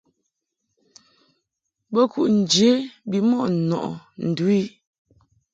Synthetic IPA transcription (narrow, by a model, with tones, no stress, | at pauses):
bɔ˦ku˨ʔn̩˨d͡ʒe˨˦bi˨mɔ˦˨ʔ̩˨nɔ̰˨ʔɔ̰˨n̩˨du˨˦i˦